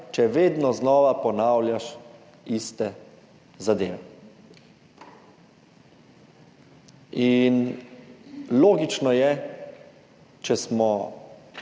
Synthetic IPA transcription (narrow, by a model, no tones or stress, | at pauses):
t͡ʃɛʋeːd̪nɔznɔːʋapɔnaːwljaʃ | ist̪ɛ | zad̪eːʋɛ | in | loːɡit͡ʃnɔjɛ | t͡ʃɛsmɔ